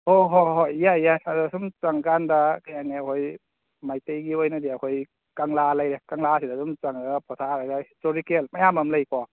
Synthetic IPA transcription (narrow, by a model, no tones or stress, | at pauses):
hoɦoojajaadsumt͡ʃaŋkandakʰajaŋiakʰoj | majtejɡiojnadiakʰoj | kaŋlalajɾekaŋlasidasumt͡ʃaŋdapɔtʰaɾajdahistoɾikelmajamamləjkɔ